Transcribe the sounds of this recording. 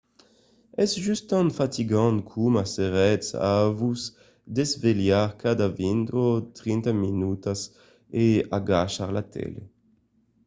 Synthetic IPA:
ɛsʒyst̪ɑ̃nfat̪iɡɑ̃nkʰumaseʁɛtsa̰vuz | d̪ezveljaʁkʰad̪avind̪ot̪ʁint̪aminut̪as | eaɡaʃaʁlat̪ʰɛ̰lḛ

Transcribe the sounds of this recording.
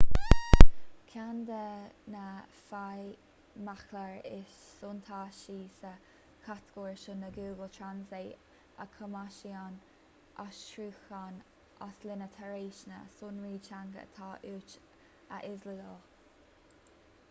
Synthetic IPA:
kʰand̪ənə | faj | maxləɹɪʃsunt̪ʰɑːʃiːsə | kʰat̪ɡ̥oːɹʃʊnəɡuːɡəlt̪ʰɹanzeː | ə̰kʰəmaʃian | ʔaʃʃɾuːxan | ʔaslɪnət̪ʰɛɹeːʃnə̰sunɹiːt͡ʃʰaŋɡə̰t̪ʰɑːʔuːt͡ʃ | ə̰ʔɪzlədəl

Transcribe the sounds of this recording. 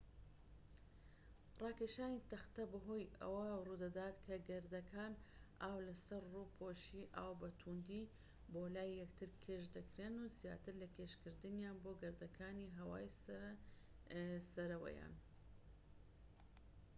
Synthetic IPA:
rˤɑːkeʃaːnit̪ɐxt̪ɐbɐɦoːjɐ̰wɐruːd̪ɐd̪aːt̪kʰɐɡɐɾd̪ɐkʰaːnʔaːwlɐsɐɾruːpʰoːʃiːʔa̰ːwbɐt̪ʰund̪i | boːlaːjjɛkt̪ʰɨɾkʰeːʃd̪ɐkɾeːnuzja̰ːt̪ɨɾlɐkʰeːʃkɨɾd̪ɨnjaːnboːɡɐɾd̪ɐkʰaːniɦɐwa̰ːj | sɐɾɐwɐ̰ja̰ːn

